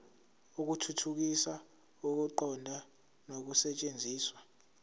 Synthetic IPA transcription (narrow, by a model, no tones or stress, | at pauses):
uk̬utʰutʰuk̬isa | uk̬uǃɔndʱa | nok̬usɛt͡ʃʼend͡zʱiːswa